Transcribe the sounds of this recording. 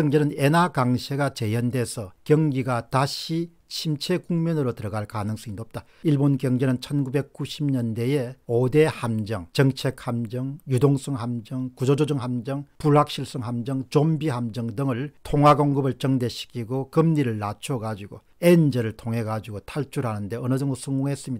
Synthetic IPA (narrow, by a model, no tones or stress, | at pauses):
jʌŋd͡ʑenɯnenakaŋɕʰeɡat͡ɕe̞jʌnde̞sʰʌkjʌŋɡiɡataɕʰi | t͡ɕʰimt͡ɕʰe̞kuŋmʌnɯɾotɯɾʌɡaɭkanɯŋs͈ʌŋidop̚t͈a | iɭbonkjʌŋɡenɯnt͡ɕʰʌnɡube̞k̚k͈uɕʰimɲʌnde̞jeode̞hamd͡ʑʌŋt͡ɕʌŋt͡ɕʰe̞k̚hamd͡ʑʌŋjudoŋs͈ʌŋɦamd͡ʑʌŋkud͡ʑod͡ʑod͡ʑʌŋɦamd͡ʑʌŋpuɭɦak̚ɕ͈ʰiɭs͈ɯŋɦamd͡ʑʌŋt͡ɕombiɦamd͡ʑʌŋdɯŋɯɭtʰoŋwaɡoŋɡɯbɯɭt͡ɕʌŋdeɕʰi̥kʰiɡokɯmɲiɾɯɭːat͡ɕʰoɡad͡ʑiɡo | end͡ʑʌɾɯɭtʰoŋɦe̞ɡad͡ʑiɡotʰaɭt͡ɕʰuɾhanɯnde̞ʌnɯd͡ʑʌŋdosʰʌŋɡoŋɦes͈ɯmɲida